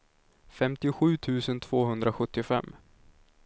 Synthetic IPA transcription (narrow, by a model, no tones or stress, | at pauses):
fɛmt̪ɪʊɧʉ̟ːt̪ʰʉ̟ːsənt̪ʰv̥oːɦɵnd̪ɾaɧɵt̪ːɪfɛ̰mː